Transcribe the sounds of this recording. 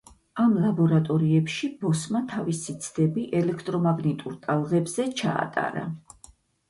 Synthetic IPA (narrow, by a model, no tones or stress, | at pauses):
amlˠabɔɾat̪ʼɔɾiɛpʃib̥ɔsmat̪ʰavisit̪sʰd̪ɛbiʔɛlɛkʰt̪ʼɾɔmaɡnit̪ʼuɾt̪ʼalˠʁɛbz̥ɛt͡ʃʰa̰ːt̪ʼa̰ɾa̰